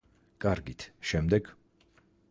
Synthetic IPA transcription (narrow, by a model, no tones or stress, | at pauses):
kʼaɾɡit̪ʰʃɛmd̪ɛɡ